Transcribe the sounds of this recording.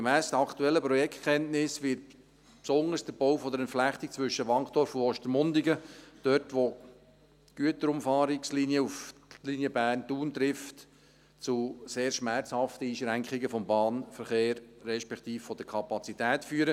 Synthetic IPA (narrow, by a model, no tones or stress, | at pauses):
ɡemæːsd̥əɑkt̪uɛlːəpɾɔjɛktkʰɛntnɪsʋɪt̚ | psɔŋəɾsd̥əb̥owfɔd̪əɾɛntflæχt̪ik̚t͡sʋʏʃəʋɑŋχt̪ɔɾfʊnɔʃtəmʊndiɡəd̥œɾtʋo | ɡ̥yətəɾʊmfɑːɾɪksliniəuflinjəbæːntuːnt̪ɾɪft | t͡suseːɾʃmæɾt͡shɑft̪əiːʃɾæŋkχɪɡəfɔmbɑːnfəɾχeːɾːɛʃpɛkt̪iːffɔd̥əɾkʰɑpɑt͡sit̪ɛːtfyːəɾə